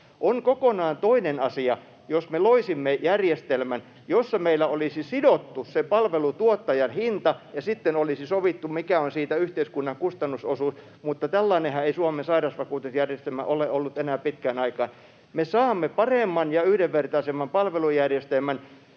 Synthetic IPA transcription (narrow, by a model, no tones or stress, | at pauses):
ʔoŋkokonɑːnt̪oinenɑsiɑ | josmeloisimːejærjest̪elmæn | josːɑmeilːˑæolisisidot̪ːusepɑlʋelut̪uot̪ːɑjɑnhint̪ɑjɑsit̪ːenolisisoʋit̪ːumikæonsiːt̪æyht̪eiskunːɑŋkust̪ɑnːusosuːs | mut̪ːɑt̪ælːɑinehɑeisuɑmensɑirɑsʋɑkuːt̪usjærjest̪elmæ̰ʔoleʔolːut̪enæːpit̪kæːnɑikɑ̰ːn | mesɑːmːepɑremːɑnjɑyhdeʋʋert̪ɑisemːɑmpɑlʋelujærjest̪elmæn